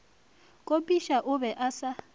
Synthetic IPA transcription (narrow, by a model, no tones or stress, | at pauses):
kʼopʼiʃaʔʊβɛʔasa